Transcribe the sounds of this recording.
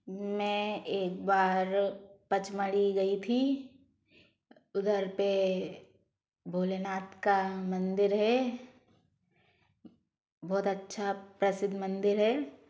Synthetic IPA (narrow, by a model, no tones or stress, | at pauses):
mɛ̃eːk̚baːɾpət͡ʃməɽiɡɐit̪ʰi | ʊd̪əɾpe | bʱoːlenaːt̪kamə̃nd̪ɪɾɦɛ | bɔːt̪ɐtːʃʰapɾɐsɪd̪ʱmə̃nd̪ɪɾɦɛː